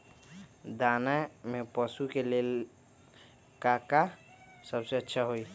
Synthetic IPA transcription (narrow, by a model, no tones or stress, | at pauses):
d̪aːnamepəsukelel | kaka | səbseətːʃʰaɦoi